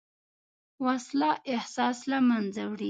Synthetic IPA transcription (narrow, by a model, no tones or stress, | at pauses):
waslɑʔɪhsɑslamanzawɽi